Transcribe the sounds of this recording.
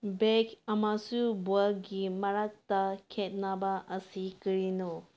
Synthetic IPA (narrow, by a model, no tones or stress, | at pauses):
bekɐmasubualɡimɐɾak̚takʰet̚nabaʔɐsikɯɾinɔ